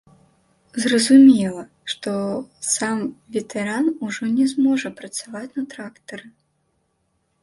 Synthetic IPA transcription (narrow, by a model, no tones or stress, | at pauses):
zrɐzumʲɛlˠɐ | ʂt̪ɔsamvʲɛt̪ʰɛɾanuʐɔnʲɛzmɔʐɐpɾɐt̪savat͡sʲnɐt̪ɾakt̪ɐɾɨ